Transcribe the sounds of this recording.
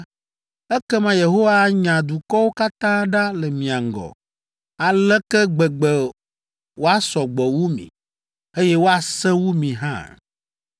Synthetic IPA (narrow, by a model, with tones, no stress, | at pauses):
ɛ˦kɛ˦mã˦je˨ɦo˦wa˦ɲã˨d̪u˨kɔ˦wo˦ka˦t̪ã˦ɖa˦lɛ˨mĩ˨a˨ŋ˨ɡɔ̰˨ | a˨lɛ˦kɛ˦ɡ͡bɛ˨ɡ͡bɛ˨ | wo˦a˦sɔ˨ɡ͡bɔ˨wu˦mḭ̃˨ | e˦jɛ˦wo˦a˨sɛ̃˦wu˦mĩ˨ɦã̰˦